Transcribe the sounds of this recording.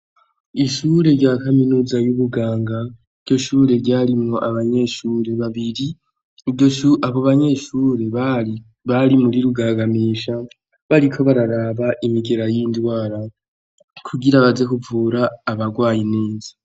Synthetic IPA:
iʃuɾe̞ɾɟaːkaminuːzajuβuɡaːŋɡa | i̥ɟo̞ʃuːɾe̞ɟaːɾimŋo̞ʔaβaɲe̞ʃuːɾe̞βaβiɾi | iɟoʃuʔaβoβaɲe̞ʃuːɾe̞ | βaɾimuɾiɾuɡaːɡamiːʃa | βaɾikʰo̞βaɾaɾaβaʔimiɡe̞ɾajiːndwaːɾa | kʰuɡiɾaβaze̞kuvuːɾaːβaɡwaːjineːnzi̥

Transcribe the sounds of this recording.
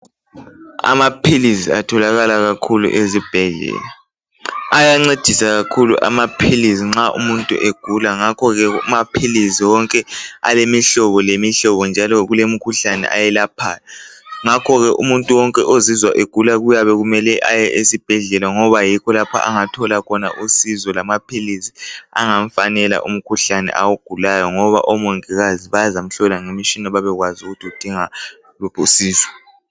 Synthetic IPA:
a̰mapʰilisiatʰɔlaɣalaɣakʰulṵʔezib̥ʱɛɮɛ̰ːla | ajaŋ͡ǀed̥ʱisaɣakʰulṵʔa̰mapʰilisiŋ͡ǁaʔṵmuntʼṵʔeɡ̥ʱulaŋakʰɔɣɛumapʰilisiwɔŋkʼɛa̰lemiɬɔβɔlemiɬɔβɔnd͡ʒʱalɔɣulem̩kʰuɬanɛ̰ʔa̰jɛlapʰa̰ːlaŋakʰɔɣɛʔumuntʼuwɔŋkʼɛʔozizwaʔeɡ̥ʱulaɣujaβɛɣumɛlɛʔajɛʔesib̥ʱɛɮɛlaŋɔβajikʰɔlapʰa̰ʔa̰ŋatʰɔlakʰɔna̰ʔusizɔlamapʰilizia̰ŋaɱfanɛla̰ʔṵm̩kʰuɬanɛ̰ʔawuɡ̥ʱulajɔŋɔβa̰ʔɔmoŋiɣaziβazam̩ɬɔlaŋemiʃinɔβaβɛɣwazuɣutʰiud̥ʱiŋa | lupʰusiːzwɔ

